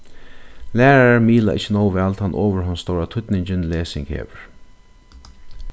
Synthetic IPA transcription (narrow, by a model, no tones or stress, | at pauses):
læːɾaaɹmiːla̰ʔɪt͡ʃːɪnɔːwʋɛːlt̪ʰanʔɔːʋəɹɦɔnst̪owɾat̪ʰʊt̪nɪɲt͡ɕɪnleːsɪ̰ŋkhḛːʋʏɹ